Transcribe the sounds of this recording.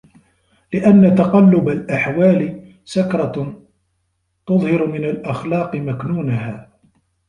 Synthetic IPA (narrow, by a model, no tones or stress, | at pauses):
lɪʔanːat̪ɑqɑlːʊbalʔaħwaːlɪ | sakɾˤɑ | t̪ʊðˤhɑɾmɪnalʔɑxlɑːqɨmaknuːnahaː